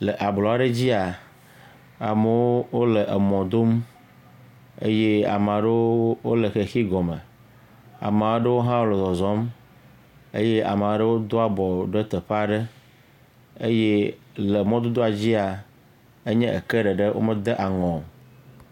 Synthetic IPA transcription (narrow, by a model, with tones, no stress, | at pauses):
lə˨ʔa˨blɔ˨a˨ɖe˦d͡ʑi˦a˨ | a˨me˦wo˦wo˦le˨ʔə˨mɔ̃˨d̪o˦m | ḛ˦je˦a̰˨m˨a˨ɖe˦wo˦le˨xe˨xi˦ɡɔ˨mə˨ | a̰˨m˨a˨wɖə˦wo˦ɦã˦wo˦le˨zɔ˨zɔ̃˨˦m | ḛ˦je˦ʔa̰˨me˨a˨ɖe˦wo˦d̪o˦a˨bɔ˨ɖe˦t̪ə˨ɸa˦ɖe˦ | e˦je˦le˨mɔ̃˦d̪o˦d̪o˦a˨d͡ʑi˦a˨ | e˦ɲɛ̃˦ʔḛ˨ke˦ɖɛ˨ɖe˦wo̰˦mə˦d̪e˦ʔa˨ŋɔ̃˨